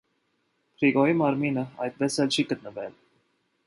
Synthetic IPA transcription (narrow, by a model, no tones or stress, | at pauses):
pʰɾiɡɔimɑɾminəɑjt̪̚pɛsɛlt͡ʃʰiɡət̪̚nəvɛ̰l